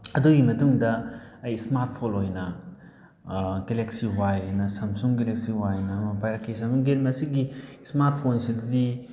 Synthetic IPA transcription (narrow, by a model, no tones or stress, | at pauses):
ɐduɡimɐtuŋdɐɐjsmaɾtpʰolojnɐ | ɡeleksiwajonɐsɐmsuŋɡelek̚siwajnɐːmɐpajɾɐkʰːesauŋɡeɾmɐsiɡismaɾt̚pʰonsidzi